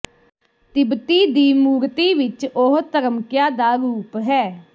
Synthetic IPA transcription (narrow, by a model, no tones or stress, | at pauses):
t̪ɪbt̪iːd̪iːmuːɾt̪iːʋɪt͡ʃoɦt̪əɾəmkjãːd̪aːɾuːpɦɛː